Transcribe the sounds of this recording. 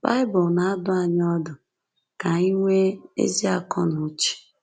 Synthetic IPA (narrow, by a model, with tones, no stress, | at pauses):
ba˦ɪ˦bɔ˨lna˨a˦dʊ˦a˨ɲ˦ɔ˦dʊ˨ | ka˨i˦ŋʷe˦ḛ˦zi˦a˨kɔ˦nʊ˨˦t͡ʃi̥˨